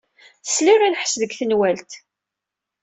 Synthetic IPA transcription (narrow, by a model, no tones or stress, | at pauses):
θəslirinħsðəɡθənwælt̪